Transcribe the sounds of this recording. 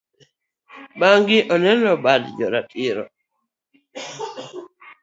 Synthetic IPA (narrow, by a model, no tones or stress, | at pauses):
baŋɡɪʔɔnɛlɔbadd͡ʒɔɾatɪɾɔ̰